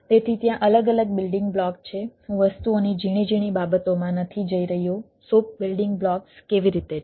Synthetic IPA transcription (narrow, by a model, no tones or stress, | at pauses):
t̪et̪ʰit̪jãʔələɡələɡ̚bɪlɖɪ̃ŋɡblɔkt͡ʃʰehũʋəst̪uonid͡ʒiɽ̃id͡ʒiɽ̃ibabət̪omãnət̪ʰid͡ʒəiɾəɦjo | sop̚bilɖɪŋɡblɔkskeʋiɾit̪e